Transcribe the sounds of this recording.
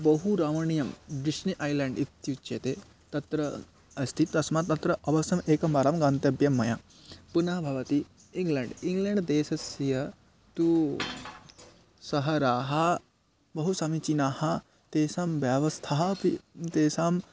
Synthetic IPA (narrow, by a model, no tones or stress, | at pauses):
bɐɦuɾaːʋɐɳijɐmd̪iʃniʔaːjlɛːɳɖit̪jut͡ʃːeːt̪e | t̪ɐt̪ɾɐ | ɐst̪ʰit̪ːɐsmat̪ːɐt̪ɾɐʔɐʋɐsɐmeːkɐmɐɾaːmɡaːnt̪ɐbjɐmːɐja | punɐɦɐbʱɐʋɐt̪i | iŋɡleɳɖiŋɡleɳɖd̪eːsɐsjɐ | t̪u | sɐɦɐɾaːɦɐ | bɐɦusamit͡ʃinaːhɐ | t̪eːsaːmʋjɐʋɐst̪ʰaːɦɐpit̪eːsaːm